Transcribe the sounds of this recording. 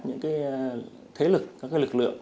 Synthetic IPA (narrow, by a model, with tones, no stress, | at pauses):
ɲɨ̰˧˥ŋkaː˨˦j | t̪ʰe˨˦lɨ˨˩k̚kːaː˦k̚ːaː˨˦jlɨ˨˩k̚lɨ̰˧˨əŋ